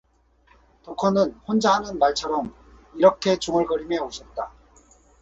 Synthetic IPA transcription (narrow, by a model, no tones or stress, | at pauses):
tokʰʌnɯnɸond͡ʑaɦanɯnmaɭt͡ɕʰʌɾʌm | iɾʌkʰe̞t͡ɕuŋɯɭɡʌɾimeoɕʰʌt̚t͈a